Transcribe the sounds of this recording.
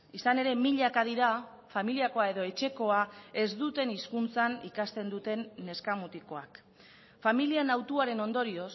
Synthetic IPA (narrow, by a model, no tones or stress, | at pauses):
isane̞ɾe̞miʎakaðiɾa | familiako̞ae̞ðo̞e̞t͡ʃe̞ko̞ae̞zd̪ut̪e̞niskunt͡sanikast̪e̞nd̪ut̪e̞nːe̞skamut̪iko̞ak | familianawt̪uaɾe̞no̞nd̪o̞ɾio̞s